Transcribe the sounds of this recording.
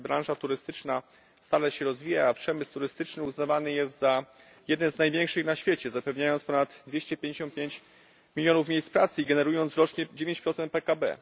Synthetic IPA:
bɾãʐat̪uɾɘst̪ɘt͡ʂna | st̪alɛɕɛɾɔzvʲijaːpʂɛmɘst̪uɾɘst̪ɘt͡ʂnɘuznavanɘjɛst̪za | jɛd̪nɛnznajvʲjɛŋkʂɘxnaɕfʲjet͡ɕɛzapɛvɲajɔnt̪spɔnad̪d̪vʲjeɕt͡ɕɛpʲjẽɲd͡ʑeɕ̬ɔnt̪̚pʲjeɲt͡ɕ | mʲilʲjɔnufmʲejspɾat̪sɘiɡɛnɛɾujɔnt̪sɾɔt͡ʂɲɛd͡ʑevʲjẽɲt͡ɕpɾɔt̪sɛnt̪̚pɛkabɛ̰

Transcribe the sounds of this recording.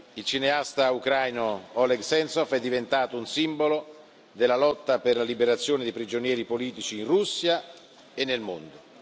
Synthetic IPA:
ilt͡ʃineast̪aukɾajnoɔlɛɡsɛnsɔfɛd̪ːivent̪aːt̪ounsimbolo | d̪elːalɔt̪ːaperlalibeɾat̪sːjoːned̪ipɾid͡ʒonjɛːɾipoliːt̪it͡ʃiːnrusːja | enːelmond̪ʊ

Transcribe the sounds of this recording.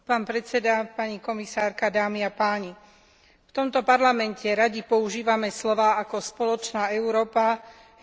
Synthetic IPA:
paːnpɾɛt͡sɛd̪apaɲikɔmisaːɾkad̪aːmiapaːɲi | ft̪ɔmt̪ɔpaɾlamɛncɛɾaɟipɔuʒiːʋamɛslɔʋaːʔakɔspɔlɔt͡ʃnaːɛʊɾɔːpa

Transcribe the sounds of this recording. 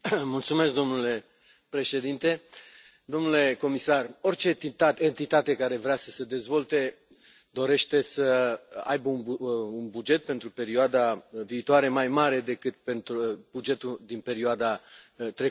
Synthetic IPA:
mult̪sume̞sk̚d̪o̞mnule̞ | pɾe̞ʃe̞d̪int̪e̞ | d̪o̞mnule̞ko̞misaro̞rt͡ʃe̞iaent̪it̪at̪e̞kaɾe̞vɾeasəse̞d̪e̞zvo̞lt̪e̞ | d̪o̞ɾe̞ʃt̪e̞səa̰jbəununbud͡ʒe̞t̪̚pe̞nt̪ɾupe̞ɾioad̪aviːt̪oaɾemajmaɾe̞d̪e̞kɨt̪̚pe̞nt̪ɾubud͡ʒe̞t̪ud̪inpe̞ɾioad̪at̪ɾe

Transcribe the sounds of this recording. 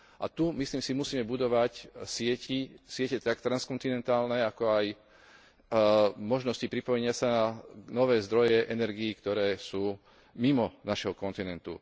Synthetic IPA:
ʔa̰t̪umisliːmsimusiːmɛbud̪ɔʋacsɪɛcisɪɛcɛt̪akt̪ɾanskɔnt̪inɛnt̪aːlnɛakɔaj | mɔʒnɔscipɾipɔjɛɲɪasananɔʋɛːzd̪ɾɔjɛʔɛnɛɾɡiːkt̪ɔɾɛːsuː | mimɔnaʃɦɔkɔnt̪inɛnt̪ṵ

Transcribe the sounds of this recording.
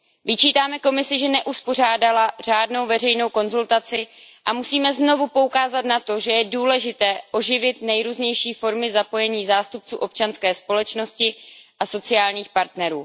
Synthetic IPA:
vɪt͡ʃiːt̪aːmɛko̞mɪsɪʒɛnɛʔuspo̞r̝aːdalar̝aːdno̞wvɛrɛjno̞wko̞nzult̪at͡sɪʔamusiːmɛzno̞vupo̞ukaːzat̪nat̪o̞ʒɛjɛduːlɛʒɪt̪ɛːʔo̞ʒɪvɪt̪nɛjɾuːzɲɛjʃiːfo̞ɾmɪzapo̞jɛɲiːzaːst̪up̚t͡sṵːʔo̞p̚t͡ʃanskɛːspo̞lɛt͡ʃno̞scɪʔaso̞t͡sɪaːlɲiːxpaɾt̪nɛɾuː

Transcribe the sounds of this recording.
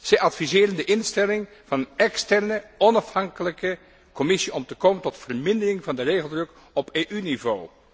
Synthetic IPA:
z̥ɛjʔɑtfizɪːrəndəʔɪnstɛlɪŋ | v̥ɑnənɛkstɛrnəɔnɑfhɑŋkələkə | kɔmɪsiɔmtəkoːməntɔtfərmɪndərɪŋvɑndəreːɣəlˠdrɵk | ɔpeːʔynivoː

